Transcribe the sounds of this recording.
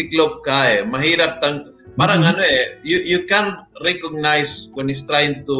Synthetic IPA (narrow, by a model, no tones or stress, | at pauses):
iklop̚kaemaɦiɾap̚t̪aŋ | paɾaŋanoejujukanɾɛkɔɡ̚najswɔnis̬t̪ɾajnt̪u